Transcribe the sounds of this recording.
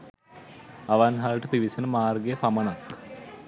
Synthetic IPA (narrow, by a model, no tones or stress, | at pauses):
aʋanɦaləʈəpiʋisenəmaːrɡejəpamənak